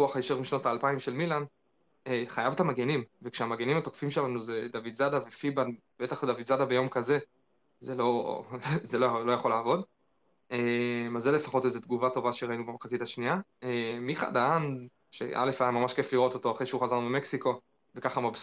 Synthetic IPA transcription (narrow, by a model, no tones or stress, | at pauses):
uaχajeʃeʁmiʃnotaːlpaimʃe̞lmilan | eχajavt̪amaɡenimvekʃeamaɡenimatokfimʃelanuzed̪avidzadavefiban | b̥e̞t̪aχd̪avidzadabejo̞mkaze̞ | zelo̞ | zelolo̞jaχo̞laːvo̞d | emazelefaχo̞tezet̪ɡuvato̞vaʃeʁainubemχat͡sitaʃniaemiχa̰daan | ʃḛʔa̰lefajamːamaʃke̞fliʁo̞t̪o̞to̞aχʁeʃeuχazaʁnubemeksiko̞ | vekaχamab